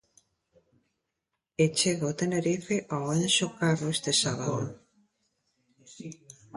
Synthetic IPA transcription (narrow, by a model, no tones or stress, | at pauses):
et͡ʃeɣaot̪eneɾifeʔawensokaɾoest̪esaβaðo̰